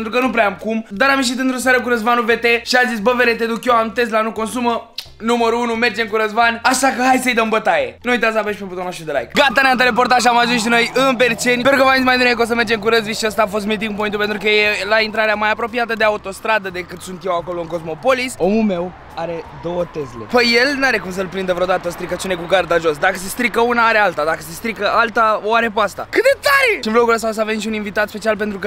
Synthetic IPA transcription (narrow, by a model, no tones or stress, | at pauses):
ent̪ɾukənupɾeamkumd̪aɾamjeʃ̬it̪ɨnt̪ɾos̬aɾəkuɾəzvanuve̞t̪e̞ʃiazis̬bəveɾet̪e̞d̪ukjo̞amt̪eslanuko̞nsumə | numəɾuunume̞rd͡ʒe̞mkuɾəzvanʲaʃakəɦajsəjd̪əmbət̪aje̞̰nuujt̪aslabəeʃpeput̪onoʃɾud̪ela̰jkɡat̪aneant̪ele̞po̞rt̪aʃamaʒunsʃ̬ino̞jɨnpeɾt͡ʃe̞nʲpeɾukəmaminʲmajd̪unekos̬əmerd͡ʒe̞mkuɾəzviʃiəst̪aːfo̞s̬t̪mit̪iŋkup̬oint̪upe̞nt̪ɾukəjelaint̪ɾaɾeamajapɾo̞piat̪əd̪e̞aut̪o̞st̪ɾad̪əd̪e̞kɨt̪sunt̪je̞wako̞lo̞ɨŋko̞zmo̞po̞liso̞mume̞w | aɾe̞d̪o̞wət̪e̞zlḛpəje̞lnaɾe̞kums̬əlpɾind̪əvɾeod̪at̪əost̪ɾikət͡ʃinekuɡard̪aʒo̞sd̪akəse̞st̪ɾikəunaaɾe̞alt̪ad̪akəsest̪ɾikəʔalt̪aaɾe̞puast̪a̰kɨt̪̚d̪e̞t̪aɾeʃinblo̞kuləst̪aos̬aːve̞mʃiuninvit̪at̪spe̞t͡ʃialpe̞nt̪ɾukə